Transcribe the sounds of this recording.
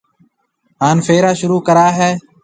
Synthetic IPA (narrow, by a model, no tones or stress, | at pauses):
ɦaːnfeːɾaːʃʊɾuːkəɾaːɦɛː